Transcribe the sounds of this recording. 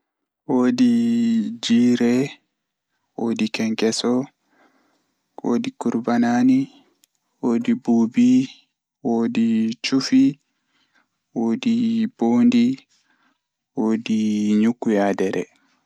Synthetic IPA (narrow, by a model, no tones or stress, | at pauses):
woːdi | d͡ʒiːɾɛ | woːdikɛŋkɛsɔ | wʔo̰ːdikuɾbanani | woːdibuːbi | woːdit͡ʃufi | woːdiboːndi | woːdiɲukːujadɛɾɛ̰